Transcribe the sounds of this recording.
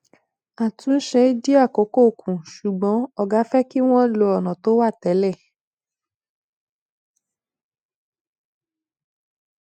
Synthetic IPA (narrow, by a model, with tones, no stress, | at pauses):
a˨tʰũ˨˦n̩˦ʃɛ˧˦d͡ʒi˦a˦˨ko˨˦ko˦˨kũ˨ʃu˨ɡ͡bɔ̃˨˦ɔ˦ɡa˨˦fɛ˦ki˦w̃ɔ̃˦lo˧ɔ˨nɔ̃˨to˨˦wa˦˨tɛ˨˦lɛ˦˨